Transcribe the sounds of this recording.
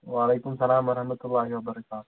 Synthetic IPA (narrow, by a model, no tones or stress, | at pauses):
ʋaːleːkʊmsɐlaːmʋɐɾɐhmɐt̪ʊlːaːɦiwɐbɐɾɐkaːt̪ʊ